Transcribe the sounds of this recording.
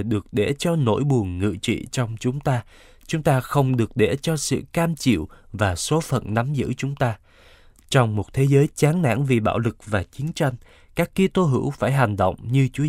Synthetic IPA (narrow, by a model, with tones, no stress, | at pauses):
ɗɨ˨˩ək̚ɗe˧˩t͡ɕɔ˧no̰˧˥jɓu˨˩ənŋɨ̰˧˨t͡ɕḭ˧˨t͡ɕɔ˧wŋ͡mt͡ɕʊ˨˦ŋ͡mt̪aː˧ | t͡ɕʊ˨˦ŋ͡mt̪aː˧xə˧wŋ͡mɗɨ˨˩ək̚ɗe˧˩t͡ɕɔ˧sɨ̰˧˨kaː˧mt͡ɕḭ˧˨wvaː˨˩so˨˦fə̰˧˨nna˨˦mzɨ̰˧˥t͡ɕʊ˨˦ŋ͡mt̪aː˧ | t͡ɕɔ˧wŋ͡mmo˨˩t̚t̪ʰe˨˦zəː˨˦jt͡ɕaː˨˦nna̰ː˧˥ŋvi˨˩ɓa̰ː˧˨wlɨ˨˩k̚vaː˨˩t͡ɕi˨˦ənt͡ɕa˧jŋ̟ | kaː˦˥kːi˧t̪o˧ɦɨ̰˧˥wfaː˧˩jɦa˨˩jŋ̟ɗo̰˧˨wŋ͡mɲɨ˧t͡ɕu˨˦ə